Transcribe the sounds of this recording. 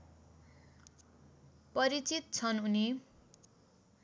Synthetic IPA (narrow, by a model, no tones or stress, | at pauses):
pʌɾit͡sit̪̚t͡sʰʌnuni